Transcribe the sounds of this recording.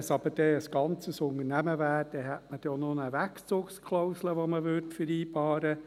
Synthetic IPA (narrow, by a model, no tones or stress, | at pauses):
sɑb̥əd̥ɛəsɡ̥ɑnt͡səsʊnəɾnæməvæːd̥ɛɦɛtməd̥ononəʋækt͡soːkskʰlɔʊsləʋoməʋʏɾtfəɾiːbɑːɾə